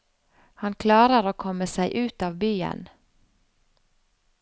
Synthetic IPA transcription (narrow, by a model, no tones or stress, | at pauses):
hɑnkʰlɑːɾəɾoːkʰɔmːəsæɪʔʉːt̪ɑːʋbyːə̰n